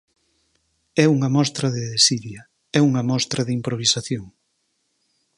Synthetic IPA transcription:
ɛuŋɐmɔst̪ɾɐðeðesiðjɐ | ɛuŋɐmɔst̪ɾɐðimpɾoβ̞isaθjoŋ

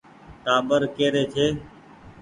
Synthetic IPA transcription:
ʈaːɓəɾkeːɾeːt͡ʃʰeː

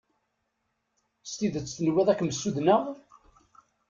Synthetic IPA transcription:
st̪iðət͡sːθənwæðˤækːməsːuðnəʁ

